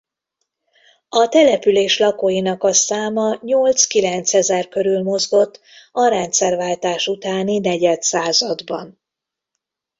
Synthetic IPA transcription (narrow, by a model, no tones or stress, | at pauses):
ɒt̪ɛlɛpyleːʃlɒkoːjinɒkɒsaːmɒɲolt̪skilɛnt̪sɛzɛrkø̞ɾylmo̞zɡo̞t̪ːɒɾɛnt̪sɛrvaːlt̪aːʃut̪aːninɛɟɛt̪saːzɒd̪bɒn